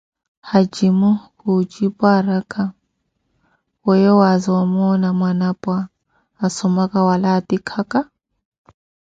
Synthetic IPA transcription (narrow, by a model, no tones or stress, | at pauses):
had͡ʒimukut͡ʃʼipʼaɾakʰʼa | wɛjɔwazawamɔːnamwanapʼwaː | sɔmakʼawalaːtikʰakʼa